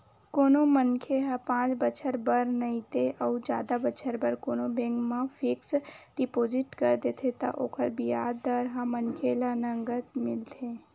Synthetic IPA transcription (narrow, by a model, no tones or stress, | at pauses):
koːnõmənkʰeɦãpãːt͡ʃbət͡ʃʰəɾbəɾnɐĩt̪eʔɔud͡ʒja̰ːd̪abət͡ʃʰəɾbəɾkoːnobẽŋkmãfʰɪksɖɪpoːd͡ʒɪʈkɐɾd̪eːt̪ʰet̪a̰ʔo̰ːkʰəɾbijaːdd̪əɾɦãmənkʰelanɐ̃ŋɡət̪mɪlt̪ʰeː